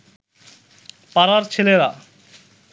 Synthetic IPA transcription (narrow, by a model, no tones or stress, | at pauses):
paɾaɾt͡ɕʰeleɾa